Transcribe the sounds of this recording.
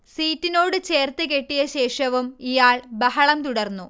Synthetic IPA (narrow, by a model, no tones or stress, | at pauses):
siːtːino̞ːɽɨt͡ɕe̞ːrt̪ɨke̞ʈːijɐɕe̞ːʂɐʋumijaːɭbɐɦɐɭɐmt̪uɽɐrnːu